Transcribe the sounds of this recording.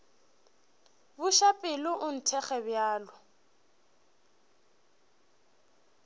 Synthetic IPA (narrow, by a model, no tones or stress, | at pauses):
bʊʃapʼɪlʊʔʊn̩tʰɛχɛbjaːlɔ